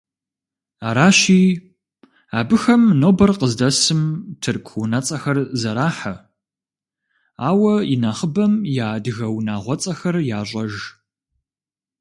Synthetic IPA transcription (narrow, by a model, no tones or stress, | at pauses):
aːɾaːɕiː | aːbɨxɐmnoːbɐrqəzdɐsɨmtʰɨrkʷʰunɐt͡sʼɐxɐrzɐɾaːħɐ | aːwɐinaːχəbɐmjaːdɣɐwnaːʁʷɔt͡sʼɐxɐrjaːɕʷʼɐʒ